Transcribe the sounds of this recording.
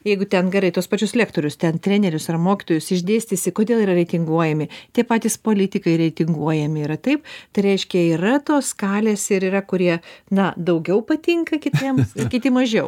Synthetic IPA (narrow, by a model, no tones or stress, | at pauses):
jɛɪɡʊt̪ʲɛnɡʲɛɾɐɪt̪uɔspɐt͡ʃʲʊslʲæːkt̪oːɾʲʊst̪ʲɛnt̪ʲɾʲæːnʲɛɾʲʊsɐrmoːkʲɪt̪oːjʊsɪʒʲd̪ʲeːsʲt̪ʲɪsʲɪkoːdʲeːlˠiːɾɐɾʲɛɪt̪ʲɪŋɡuɔjɛmʲɪt̪ʲiɛpɑːt̪ʲispoːlʲɪt̪ʲɪkɐɪɾʲɛɪt̪ʲɪŋɡuɔjɛmʲɪiːɾɐt̪ɐɪpt̪ɐɪɾʲɛɪʃʲkʲɛiːrɐt̪oːskɑːlʲeːsɪɾiːrɐkʊɾʲiɛnɐd̪ɐʊɡʲɛʊpɐt̪ʲɪŋkɐkʲɪtʲiɛmkʲɪt̪ʲɪmɐʒʲɛʊ